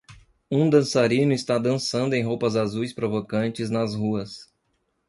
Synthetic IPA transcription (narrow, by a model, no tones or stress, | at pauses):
ũd̪ɐ̃saɾĩnʊist̪ad̪ɐ̃sɐ̃nd̪ʊẽj̃ɦowpɐzazujspɾovokɐ̃nt͡ʃɪznɐzhuɐs